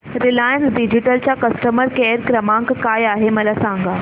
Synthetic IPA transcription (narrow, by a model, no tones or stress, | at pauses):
ɾɪlaːɪə̃nsɖɪd͡ʑɪʈəlt͡ɕakɐsʈəməɾkeːɾkɾɐmãːŋkkaːjaːɦemɐlasãːŋɡaː